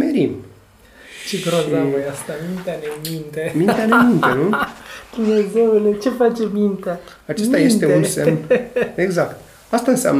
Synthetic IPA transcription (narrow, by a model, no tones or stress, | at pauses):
meɾim | t͡ʃeɡɾozast̪amint̪eaɾemint̪emint̪eaɾemint̪enud̪̥umneze̞wlet͡ʃe̞fat͡ʃemint̪aat͡ʃest̪ajest̪eunse | eɡzakt̪ | ast̪aɨnsɪa̰m